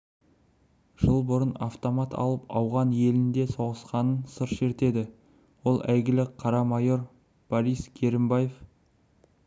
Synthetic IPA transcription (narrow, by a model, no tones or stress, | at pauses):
ʒ̥əlˠbʊɾənɑ̰ft̪o̞mɑt̪ʰɑ̰lˠəpɑwʁɑnje̞lɪnd̪e̞so̞ʁəsqɑnənsəɾʃe̞ɾt̪e̞d̪ɪ | wo̞lˠæjɡʲɪlɪqʰɑɾɑmɑjo̞ɾ | b̥oɾijskʲʰe̞ɾɪmbajef